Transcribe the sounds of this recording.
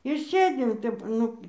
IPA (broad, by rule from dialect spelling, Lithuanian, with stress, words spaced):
ɪr ˈsʲeːdʲɪm ˈtʲɛp ˈnʊ